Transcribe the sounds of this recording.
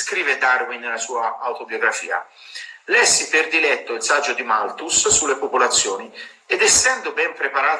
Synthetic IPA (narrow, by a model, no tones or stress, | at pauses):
skɾiːved̪arwinːelasuːaawt̪objoɡɾafḭːa̰ | lɛsːiperd̪ilɛt̪ːoilsad͡ʒːod̪imalt̪usːulːepopolat̪sːjoːni | ed̪ɛsːɛnd̪obɛmpɾepaɾaː